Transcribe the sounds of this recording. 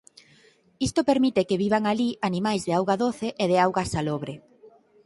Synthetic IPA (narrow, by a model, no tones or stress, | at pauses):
ist̪opeɾmit̪ɪkeβiβaŋalianimajzðeawɣaðoθeʔeðeawɣasaloβɾe